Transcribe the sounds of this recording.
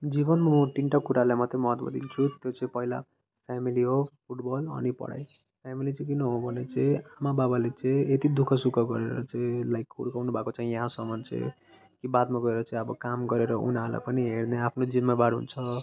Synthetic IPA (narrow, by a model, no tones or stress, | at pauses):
d͡zibʌnmʌʈiɳʈʌkːuɾalajmʌt̪emʌɦʌt̪mʌ̰d̪ḭnt͡sʰut̪jot͡sʌĩpʌɦila̰ | pʰjamiliɦopʰuʈbʌlʌ̰nipʌ̰ɽa̰j | pʰjamilit͡sʌĩkinʌɦobʱʌnet͡sʌĩamababalet͡sʌĩet̪id̪ukʰʌsukʰʌɡʌɾeɾʌ̰t͡sʌĩlajkːuɽkawnubʱakot͡saĩjʌɦãsʌmʌnt͡sḛ | kibat̪maɡʌeɾʌt͡saĩʌbʌkamɡʌɾeɾʌʔṵnaɦla̰pʌniɦeɾneapʰnod͡zinmabaɽɦṵnt͡sʰʌ